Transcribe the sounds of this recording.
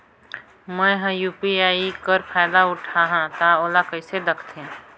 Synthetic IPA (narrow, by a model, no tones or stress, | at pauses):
mɛ̃ɦə̃juːpiaːikəɾpʰaːɪd̪aʊʈʰaɦãt̪aoːlakəɪsed̪əkʰt̪ẽː